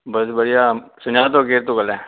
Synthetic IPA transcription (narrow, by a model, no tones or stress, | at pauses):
bəsbəɽɪjaːsʊnaːt̪̬oːkeːɾt̪õːkəlɛː